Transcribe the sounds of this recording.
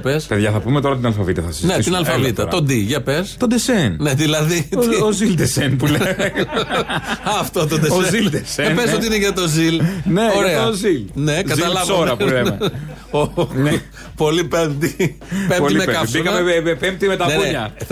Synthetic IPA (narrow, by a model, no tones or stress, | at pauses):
pespeðʝɐθɐpumet̪o̞ɾɐt̪inɐlfɐvit̪ɐθɐsiznest̪inɐlffɐvit̪ɐo̞d̪iʝɐpest̪od̪esenne̞ðilɐðiozild̪esenpulee | ɐft̪ot̪od̪eosezild̪esenpeso̞t̪iineʝɐt̪o̞zilneoɾeɐozilne̞kɐzt̪ɐlɐvɐoɾɐpleme | o | po̞lipemt̪i | pemimekɐpsikɐmeeepemt̪imet̪ɐkneuɲɐ